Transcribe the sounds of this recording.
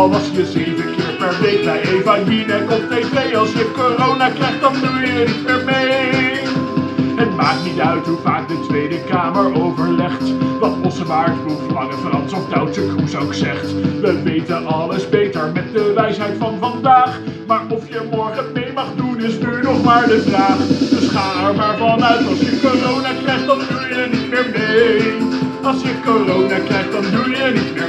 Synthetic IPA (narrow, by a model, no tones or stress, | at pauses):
lɑlˠsjəzejvənkɪːɹpɛɹʋejtəejvajinɛkɔpevejɑlˠsjəkorownaːkrɛχtdɑndyɪtɪɹmej | ɦətmaːk̚tnitœɥtɦuvaːk̚dətʋejdəkaːməɹowvəɹlɛχtdɑtɔsəʋaːɹəlufəlɑŋəfəɾɑndsɔp̚dawtsəkrusowksɛχtʋəʋejtənɑləzbejtəɹmɛt̚dəʋɛjsɦɛjtfɑnvɑndaːχmaːɹɔfjəmɔɹχənmɪːɹmɑχdunɪsdujənɔχmaːɹdəfraːχdɵsχaːɛɹmaːɹvɑnœɥtɑlˠsjəkorownaklɛχtdɑndujənitmɪːɹnej | ɑlˠsjəkorownaklɛχt̚dɑndujənit̚mɪː